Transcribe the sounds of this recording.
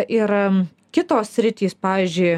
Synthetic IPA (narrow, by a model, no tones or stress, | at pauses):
ʔɪɾ | kʲɪt̪oːssʲɾʲɪt̪ʲiːspɑːʋʲiːzʲd͡ʒʲʊɪ